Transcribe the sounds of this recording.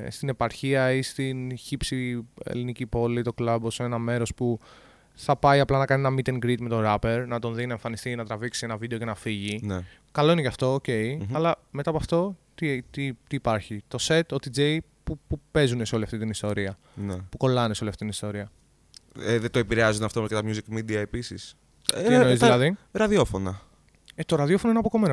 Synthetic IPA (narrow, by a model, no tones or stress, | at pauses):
st̪ine̞pɐɾçiɐist̪inçipsiḛlinicipo̞lit̪o̞klɐbosinenɐme̞ɾo̞spu | θɐpɐiɐplɐnɐkɐnienɐmit̪e̞ŋɡɾit̪me̞t̪o̞ɾɐpe̞ɾnɐt̪o̞nðinɐeɱfɐnist̪inɐt̪ɾɐviksienɐvid̪e̞oce̞nɐfiʝin | kɐlo̞inecɐft̪o̞ːce̞iɐlɐme̞t̪ɐpɐft̪o̞t̪it̪it̪iːpɐɾçit̪o̞se̞t̪ot̪id͡zej | pupupe̞zune̞seoliɐft̪it̪inist̪o̞ɾiɐ | nepuko̞lɐneseo̞liɐft̪it̪inist̪o̞ɾiɐ | eðet̪oepiɾeɐzond̪ɐft̪omɐscet̪ɐmjuzikmid̪iɐe̞pisis | inoizðlɐðiɾɐðio̞fo̞nɐ | et̪o̞ɾɐðiofo̞noienɐpoko̞men